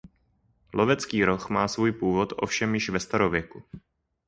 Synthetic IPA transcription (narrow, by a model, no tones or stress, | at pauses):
lʔo̞vɛt͡skiːɾo̞xmaːsvuːjpuːvo̞t̪ʔo̞fʃɛmjɪʃvɛst̪aɾovjɛku